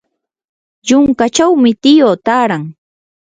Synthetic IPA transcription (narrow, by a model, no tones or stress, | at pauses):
jʊŋkat͡ʃawmɪt̪ɪjoːt̪aːɾaŋ